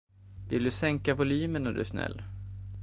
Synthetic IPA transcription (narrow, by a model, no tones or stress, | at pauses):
vɪld̪ɵsɛŋkavʊlyːmənad̪ɵ̰ʂnɛ̰lː